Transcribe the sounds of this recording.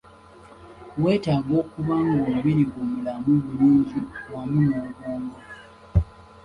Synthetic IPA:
we̞ːtaːɡo̞ːkuβaːŋɡauuβiɾiɡomulamuβuluːɲɟiwamunuuɡuːŋɡa

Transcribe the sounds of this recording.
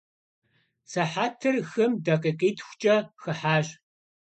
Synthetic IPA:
sɐħaːtʰɨrxɨmdɐqʼiːqiːtʰxʷʊ̥t͡ʃʼɐxɨħaːʑ

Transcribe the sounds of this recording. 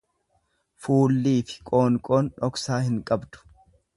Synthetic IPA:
fuːlːiːfɪ̥kʼo̞ːŋkʼo̞ːnᶑɔksaːhɪŋkʼɐbd̪ʊ̥

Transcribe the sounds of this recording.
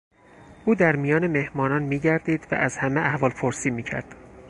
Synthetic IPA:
ʔuːd̪æɾmijɒːneme̞hmɒːnɒːnmiːɟæɾd̪iːd̪væ̰ʔæzhæmeæhvɒːlpʰoɾsiːmiːcʰæ̰ɾd̪̥

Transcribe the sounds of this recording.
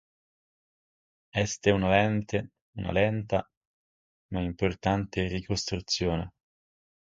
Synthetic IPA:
ɛst̪eunalɛnt̪e | una̰lɛnt̪a | maimport̪ant̪erikost̪ɾut̪sːjoːne

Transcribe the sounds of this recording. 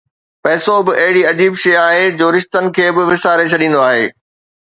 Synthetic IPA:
pɛːsobɪʔɐɦɪɽiɐd͡ʑiːbʃɐjaːɦed͡ʑoːɾɪʃt̪ənɪ̆kʰeːbɪʋɪsaːɾet͡ɕʰɐɗĩːnd̪oaːɦḛː

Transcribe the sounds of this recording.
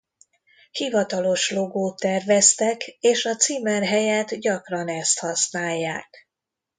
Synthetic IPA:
hivɒt̪ɒlo̞ʃlo̞ɡoːt̪ːɛrvɛst̪ɛkeːʃɒt̪siːmɛrɦɛjɛːt̪ɟɒkrɒnɛst̪hɒsnaːjːaːk

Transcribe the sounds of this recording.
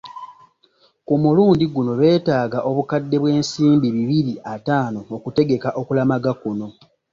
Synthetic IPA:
kumuluːndiɡuno̞βe̞ːtaːɡaʔo̞βukadːe̞βwe̞ːnsiːmbiβiβiɾiataːno̞okute̞ɡe̞kaʔo̞kulamaɡakuno̞

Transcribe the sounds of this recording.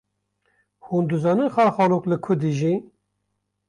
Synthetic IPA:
huːnd̪uzɑːnɨnxɑːxɑːluklɨkʰʊd̪iʒi

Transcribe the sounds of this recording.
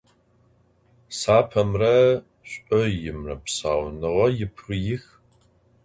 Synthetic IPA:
saːpʰɐmrɐ | ɕʷʼɨjɪmrɐ̰psaːwnɨʁɐjɪpʰrɨjɪx

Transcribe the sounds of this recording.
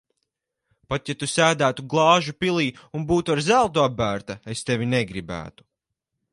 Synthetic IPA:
pat̪jat̪usæːd̪æːt̪uɡlˠɑːʒupilˠiːunbuːt̪uaɾzælˠt̪uabːæːɾt̪aest̪evʲineɡɾibæ̰ːt̪u̥

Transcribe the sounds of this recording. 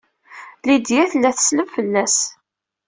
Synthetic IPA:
lid̪jæθlːæθə̥sləvfəlːæs

